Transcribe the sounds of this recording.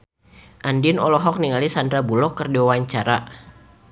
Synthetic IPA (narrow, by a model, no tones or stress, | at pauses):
ʔandinɔlɔɦɔk̚niŋalisandɾabulɔkːərdiwawaɲt͡ʃaɾa